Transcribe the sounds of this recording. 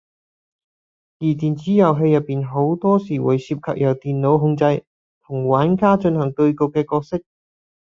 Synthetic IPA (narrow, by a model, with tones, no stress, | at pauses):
jiː˨˩t̪iː˨˩nt͡siː˨˥jɐ˨wɦe˧jɐ˨pːiː˨nɦo˨˥wt̪ɔː˥siː˨˩wṵː˨˧jsiː˧p̚kʰɐ̰˨p̚jɐ˨˩wt̪iː˨nlo˨˥wɦʊ˧ŋt͡sɐ˧j | t̪ʰʊ˨˩ŋwaː˨˥nkaː˥t͡ʃɵ˧nhɐ˨˩ŋt̪ɵ˧ɥkʊ˨˧kːɛː˧kɔː˧k̚sɪ˥k̚